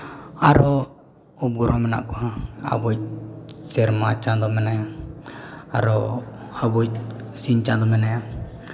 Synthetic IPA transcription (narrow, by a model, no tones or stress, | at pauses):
aɾɔ | up̚ɡɔɾʔɔmɛna̰ʔkɔaa̰bɔj̚sɛɾmat͡ʃand̪ɔmɛnaja | aɾɔabɔjsint͡ʃand̪ɔmɛnaja